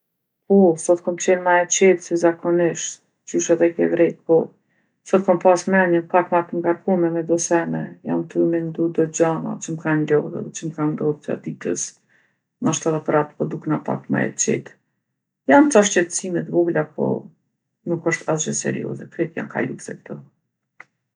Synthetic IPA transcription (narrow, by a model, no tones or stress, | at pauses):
pɔsɔt̪̚kɔmt͡ɕɛnmaɛt͡ʃɛt̪sɛzakɔnɪʃt̪ | t͡ʃyʃaðɛkɛvɾɛt̪̚pɔ | sɔt̪̚kɔmpasmɛɲəpakmaɾt̪əŋɡaɾkumɛmɛd̪ɔsɛnɛja̰mt̪əmɛnd̪ud̪ɔd͡ʑana̰t͡ʃəməkanlɔðɛ̰ðɛt͡ʃəmkand̪ɔðta̰d̪it̪ə̰s | maʃt̪aðɛpəɾat̪pɔd̪uknapa̰kma̰ɛ̰t͡ʃɛ̰t̪ | jamt̪aʃcɛt̪ə̥simɛt̪buɡlapɔ̰ | nukəʃt̪ʰasd͡ʒɛsɛ̰ɾḭɔ̰zɛkɾɛt̪ja̰mka̰lṵsɛk̚t̪ɔ